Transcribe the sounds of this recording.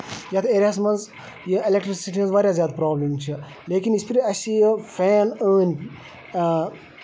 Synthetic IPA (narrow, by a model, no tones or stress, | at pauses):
jat̪ʰeːɾijaːs̬mɐnz | jielekʈɾisiʈimɐzʋaːɾʲjaːzʲjaːd̪pɾaːblimt͡ʃʰi | leːkinispiɾiɐsijəfʰɛːnəːnʲ